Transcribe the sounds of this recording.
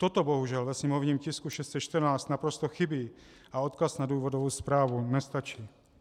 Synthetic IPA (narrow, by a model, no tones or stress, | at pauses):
t̪ot̪o̞boɦuʒɛlvɛsɲɛmo̞vɲiːmcɪskuʃɛst̪sɛt͡ʃt̪ərnaːt͡st̪napɾost̪oxɪbiː | ʔao̞t̪kasnaduːvodovowspɾaːvunɛst̪at͡ʃiː